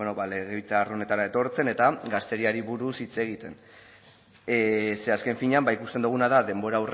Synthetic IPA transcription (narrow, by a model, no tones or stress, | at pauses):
enoβale̞ɣeβit͡sarone̞t̪aɾae̞t̪o̞ɾt͡se̞ne̞t̪aɡast̪e̞ɾiaɾiβuɾusit͡se̞ɣ̞it̪e̞n | se̞aske̞ɱfiɲeambaikust̪e̞nd̪uɣ̞unaðaðe̞mbo̞ɾawr